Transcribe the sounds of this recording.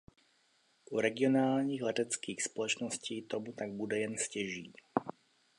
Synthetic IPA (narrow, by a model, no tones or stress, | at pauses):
ʔuɾɛɡɪonaːlɲiːɣlɛt̪ɛt͡skiːxspɔlɛt͡ʃnɔsciːt̪omut̪aɡ̚bud̪ɛjɛnscɛʒiː